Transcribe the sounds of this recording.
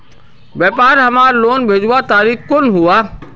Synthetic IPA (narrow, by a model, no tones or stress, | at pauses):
ʋeːpaːɾɦɐmaːɾloːnbʱeːd͡ʒuat̪aːɾiːkkʊnɦuaː